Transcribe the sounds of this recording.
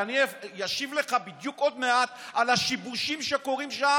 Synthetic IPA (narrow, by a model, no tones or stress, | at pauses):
anijaʃivle̞χabid̪juko̞d̪meat̪alaʃibuʃimʃeko̞ʁimʃa